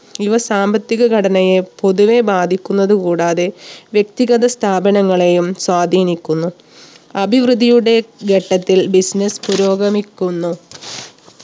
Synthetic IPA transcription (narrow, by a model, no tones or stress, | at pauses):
iʋɐsaːmbɐt̪ːiɣɐɡʱɐɽɐnɐjepo̞ðuʋe̞baːd̪ʱikʲːunːɐðukuːɽaːðe̞ʋje̞k̚t̪iɣɐðɐst̪ʰaːbɐnɐŋːɐɭe̞jumswaːd̪ʱiːnikʲːunːu | ɐbʱiʋrɨd̪ʱijuɽe̞ɡʱeʈːɐt̪ːilbisnespuɾo̞ːɡɐmikʲːunːu